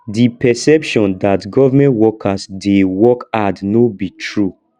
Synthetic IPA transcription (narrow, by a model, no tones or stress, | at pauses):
dipɛsɛpʃɔ̃ndatɡɔvamɛ̃ntwɔkʰasdewɔkadnobitʰɹu